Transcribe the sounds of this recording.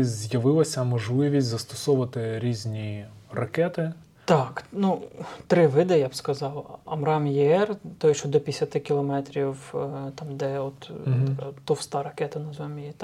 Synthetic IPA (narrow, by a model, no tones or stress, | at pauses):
zʲjɐʋɪlˠɐsʲɐmɔʒlˠɪʋʲisʲtʲzɐst̪ɔ̥sɔʋɐt̪ɪɾʲizʲnʲirɐkɛt̪ɪ | t̪ɑknut̪ɾɪʋɪd̪ɪjabskɐzɑwɐmɾɑmjɛɛrt̪ɔjɛʃt͡ʃɔd̪ɔpʲjɪsʲɐt̪ɪkʲɪlˠɔmɛt̪ɾʲiwt̪ɑmd̪ɛɔt̪kt̪ɔwst̪ɑɾɐkɛt̪ɐnɐzʋɛmʲjit̪